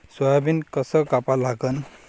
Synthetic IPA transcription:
swɔabinkʌsʌkapalaɡən

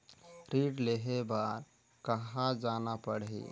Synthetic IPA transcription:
ɾiʈleɦebaɾ | kəɦãd͡ʒanapəɽḭ

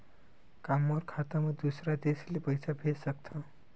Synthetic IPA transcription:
kamːoɾkʰat̪aməd̪usɾad̪eslepəjsabʱesək̚t̪ʰə

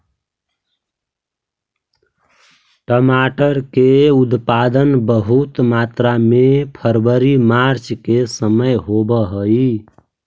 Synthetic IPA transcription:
ʈəmaʈəɾkeud̪pad̪ənbəɦut̪mat̪ɾamepʰəɾbəɾimaɾt͡ʃkesəməjɦobəɦəi

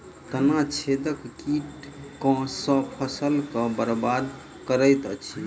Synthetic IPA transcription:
t̪ənat͡ʃʰed̪əkkiʈkɔ̃sə̃pʰəsəlkə̃bəɾbad̪ | kəɾəjt̪ət͡ʃʰi

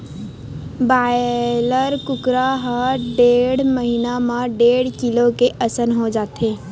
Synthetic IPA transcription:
baːləɾkʊkɾaɦaɖeːɽməɦɪnamãɖeːɽkɪlokeʔɐsənɦod͡ʒaːt̪eː

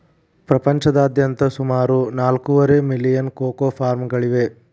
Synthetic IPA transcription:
pɾɐpɐɲt͡ʃɐd̪aːd̪jɐnt̪ɐsumaːɾunaːlkuʋɐɾemilːijɐnkoːkoːpʰaːɾmɡɐɭiʋe̞

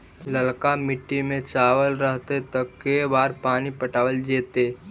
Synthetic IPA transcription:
ləlkamɪʈːimẽt͡ʃaːʋəlɾəɦt̪et̪əkːebaːɾpaːnipəʈaːʋəld͡ʒeːt̪eː

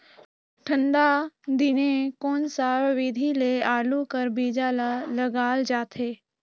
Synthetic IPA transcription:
ʈʰə̃ɳɖad̪ɪnekoːnsaːɾʋɪd̪ʱileaːlukəɾbiːd͡ʒalaləɡaːld͡ʒaːt̪ʰeː

